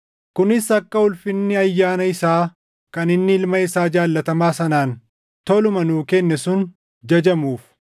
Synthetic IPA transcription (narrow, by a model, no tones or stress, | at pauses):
kʊnɪsɐkːɐʊlfɪnːɪɐjːaːnɐɪsaː | kɐnɪnːɪɪlmɐɪsaːd͡ʒaːlːɐt̪ɐmaːsɐnaːn | t̪ɔlʊmɐnuːkɛnːɛsʊn | d͡ʒɐd͡ʒɐmuːf